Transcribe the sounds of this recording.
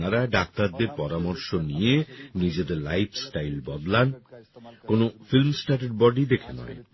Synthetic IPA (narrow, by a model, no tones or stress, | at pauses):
aɾaɖak̚t̪aɾd̪eɾpɔɾamɔɾʃonijenid͡ʑed̪eɾlajpʰsʈajlbɔd̪lan | konofilmsʈaʈeɖ̚bɔɖid̪ekʰenɔ̰e